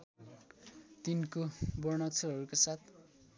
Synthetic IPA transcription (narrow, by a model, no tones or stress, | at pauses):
t̪inkobʌrnʌk̚t͡sʰʌɦʌɾukosat̪ʰ